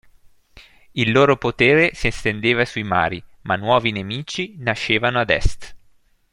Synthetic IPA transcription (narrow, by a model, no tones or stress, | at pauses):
ilːoːɾopot̪eːɾesiest̪end̪eːvasuima̰ːɾimanwɔːvinemiːt͡ʃinaʃːeːvanoad̪ɛ̰st̪